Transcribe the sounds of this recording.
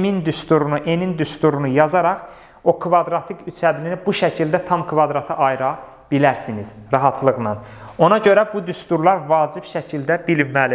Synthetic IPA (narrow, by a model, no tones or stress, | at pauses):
mind̪yst̪uɾunuʔe̞nind̪yst̪uɾunujɑzɑɾɑχ | o̞kʰvɑd̪ɾɑt̪ʰikyt͡ʃʰæd̪ininibuʃæcʰild̪æt̪ʰɑmkʰvɑd̪ɾɑt̪ʰɯʔɑjɾɑ | b̥ilæɾsiniz̥ɾɑɦɑt̪ʰlˠɯɣnɑn | o̞nɑɟø̞ɾæbud̪yst̪uɾlˠɑɾvɑːd͡ʒib̥ʃæcʰild̪æbilmːæli